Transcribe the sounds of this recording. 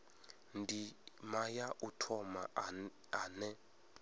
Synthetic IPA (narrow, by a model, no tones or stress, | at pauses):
ndimajaʔutʰɔma | aːnɛ